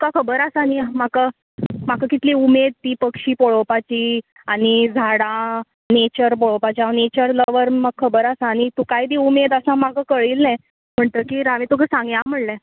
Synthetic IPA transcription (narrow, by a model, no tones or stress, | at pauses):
ukakʰəbəɾasañim̤akə | m̤akəkit̪liumed̪̚t̪iːpəkɕiːpoɭopat͡ɕiː | aɽ̃id͡zʱaɽã | net͡ɕəɾpoɭopat͡ɕianet͡ɕəɾləʋəɾməɡ̚kʰəbəɾasaːñit̪ukaid̪iːumed̪əsãmakakəɭiːlnɛ̃ | m̤əɳt̪əkiːɾaʋĩt̪ukʰəsãŋɡjãm̤əɽlɛ̃